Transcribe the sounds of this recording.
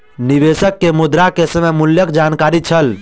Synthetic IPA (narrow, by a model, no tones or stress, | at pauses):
niβesəkːemud̪ɾakesəmemuljəkd͡ʒankaɾit͡ʃʰəl